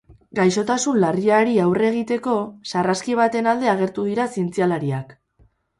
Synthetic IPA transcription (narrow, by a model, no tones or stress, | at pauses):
ɡajʃo̞t̪asunlariaɾiawre̞ɣ̞it̪e̞ko̞saraskiβ̞at̪e̞nald̪e̞aɣ̞e̞ɾt̪uðiɾasient͡sialaɾiak